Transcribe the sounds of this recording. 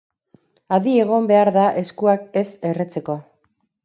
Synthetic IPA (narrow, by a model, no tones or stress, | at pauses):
aðie̞ɣ̞o̞mbe̞aɾðaʔe̞skuake̞se̞re̞t͡se̞ko̞